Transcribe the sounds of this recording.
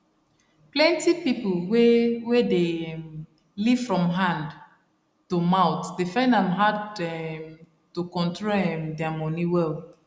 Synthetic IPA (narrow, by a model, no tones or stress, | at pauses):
plɛ̃ntipipolwewedem | liv̥fɹɔ̃mɦãnd | tumaʊtdefãɪ̃ndãnɦadɛm | tukɔ̃ntɹoɛmdɛamɔniwɛld